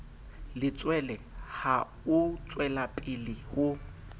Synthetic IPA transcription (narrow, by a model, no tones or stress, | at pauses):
lɪt͡sʼwɛlɛha | ʊt͡sʼwɛlapʼɪlɪhʊ